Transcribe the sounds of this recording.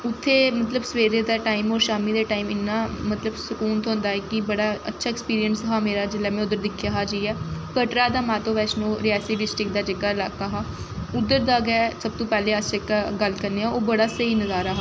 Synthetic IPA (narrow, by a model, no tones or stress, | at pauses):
ʊt̪ʰːeːmət̪ləbsəeːɾeːd̪aːʈaːimɔːɾʃaːmiːd̪eːʈaːiːmɪnːaːmət̪ləbsʊkuːnt̪ʰɦõːnd̪aːɛːkɪbəɽaːə̰tːʃʰaːɛkspiːɾijənsəɦaːmeːɾaːd͡ʒɪlaːmɛ̃ːʊd̪ːəɾd̪ɪkʰːjaːɦaːd͡ʒiɛːkəʈɾaːd̪aːmãːt̪õːʋɛːsnõːɾiaːsiːɖɪsʈɾɪk̚d̪aːd͡ʒeɡaːɪlaːkaːɦaː | ʊd̪əɾd̪aːɡɛːsəb̚t̪õːpɛːleːasd͡ʒeːkaːɡəlkəɾneːãːoːbəɽaːsəiːnəzaːɾaːɦaː